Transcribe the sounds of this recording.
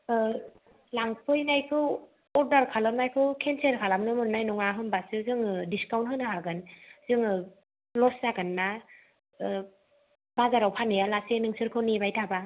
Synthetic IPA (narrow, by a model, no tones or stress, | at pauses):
laŋpʰɯjnajkʰɯw | ɔɾdaɾkʰalamnajkʰɯwkʰenseɾkʰalamnɯmɯnːajnɔŋaɦɯnbasɯzɯŋdiskawnt̚ɦɯnɯɦaɡɯnzɯŋɯ | lɔszaɡɯnːa | b̥azaɾawpʰanɯjalasenɯŋsʰɯɾkʰɯwnebajtʰaba